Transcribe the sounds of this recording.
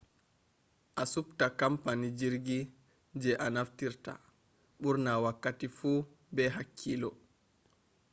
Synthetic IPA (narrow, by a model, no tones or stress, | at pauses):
ʔasuptakampanid͡ʒiɾɡi | d͡ʒɛʔanaftiɾta̰ | ɓuɾnawakːatifu | bɛɦakʰːilɔ